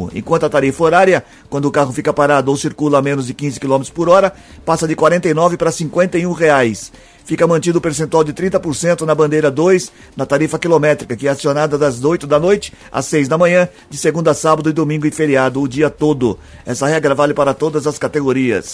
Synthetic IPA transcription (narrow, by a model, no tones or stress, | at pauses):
ʊ̰ḛ̃kwɐ̃nt̪ʊat̪aɾifɐoɾaɾjɐ | kwɐ̃nd̪ʊkaɦʊfikɐpaɾad̪ʊowsiɾkulɐamẽnʊzd͡ʒɪkĩzɪkilomet̪ɾʊ̥spoɾɔɾɐ | pasɐd͡ʒɪkwaɾẽnt̪ɐjnɔvɪpaɾɐsĩkwẽnt̪ɐjũʁeajs | fikɐmɐ̃nt͡ʃid̪ʊpeɾsẽt̪uawd͡ʒɪt̪ɾĩnt̪ɐpoɾsẽnt̪ʊnɐbɐ̃nd̪ejɾɐd̪ojs | nɐt̪aɾifɐkilomɛt̪ɾikɐkɪɛasionad̪ɐd̪ɐzojt̪ʊd̪ɐnojt͡ʃɪ̥ | a̰sːejzd̪ɐmɐ̃ɲɐ̃ | d͡ʒɪseɡũd̪ɐsabɐd̪ʊɪd̪omĩŋɡʊɪfeɾiad̪ʊːd͡ʒiɐt̪od̪ʊ | ɛsɐhɛɡɾɐvalɪpaɾɐt̪od̪ɐzɐskat̪eɡoɾiɐ̰s